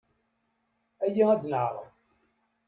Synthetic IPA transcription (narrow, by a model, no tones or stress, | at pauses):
æjiæd̪nəʕɾˤə̰f